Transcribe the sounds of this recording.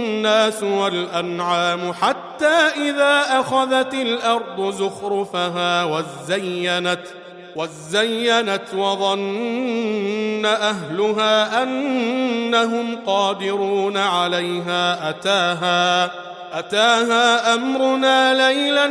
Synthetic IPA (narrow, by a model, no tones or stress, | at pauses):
nːaːsʊwalʔanʕaːmʊħat̪ːaːʔɪðaːʔaxaðat̪ɪlʔɑɾˤd̪ˤʊzʊxɾʊfaɦaːwa | zajːanat̪ | wa | zːajːanat̪wɑðˤɑn | aʔaɦlʊɦaːʔanː | aɦʊmqɑːd̪ɪɾuːnaʕalajɦaːʔat̪aːɦaː | ʔat̪aːɦaːʔamɾʊnaːlajla